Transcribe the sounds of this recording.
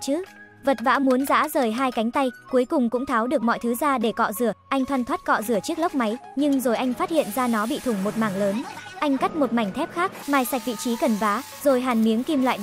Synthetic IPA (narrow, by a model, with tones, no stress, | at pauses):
t͡ɕɨ˨˦ | və˨˩t̚va̰ː˧˥mu˨˦ənza̰ː˧˥zəː˨˩jɦaː˧jka˨˦jŋ̟t̪a˧jku˨˦əjkʊ˨˩ŋ͡mkʊ̰˧˥ŋ͡mt̪ʰaː˨˦wɗɨ˨˩ək̚mɔ̰˧˨jt̪ʰɨ˨˦zaː˧ɗe˧˩kɔ̰˧˨zɨ˧˩əʔa˧jŋt̪ʰwaː˧nt̪ʰwə˦˥t̚kɔ̰˧˨zɨ˧˩ət͡ɕɨ˦˥ək̚lə˦˥k͡p̚ma˨˦jɲɨ˧ŋzo˨˩jʔa˧jŋ̟faː˦˥t̚hḭ˧˨ənzaː˧nɔ˨˦ɓḭ˧˨t̪ʰʊ˨˧˩ŋ͡mmo˨˩t̚maː˨˩ŋləː˨˦nʔa˧jŋ̟ka˦˥t̚mo˨˩t̚ma˨˩jŋ̟t̪ʰɛ˦˥p̚xaː˦˥k̚maː˨˩jsa˨˩k̟̚vḭ˧˨t͡ɕi˨˦kə˨˩nvaː˨˦ | zo˨˩jɦaː˨˩nmi˨˦əŋki˧mla̰ː˧˨